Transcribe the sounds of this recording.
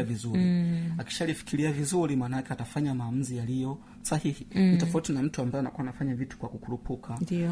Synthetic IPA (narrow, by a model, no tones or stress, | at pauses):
avizuɾiaki̥ʃalifi̥kiliavizuɾimaːnaakɛatafaɲamaːmuzijalijɔ | sahihinitɔfautinam̩tuambaɛanakuanafaɲavitu̥kwakukuɾupukʰandi